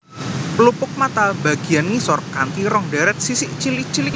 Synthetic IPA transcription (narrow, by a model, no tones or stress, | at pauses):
plupʊk̚mat̪albaɡ̥i̤anmisɔrkant̪iɾɔŋɖaɾɛt̪̚sisɪʔt͡ʃilit͡ʃil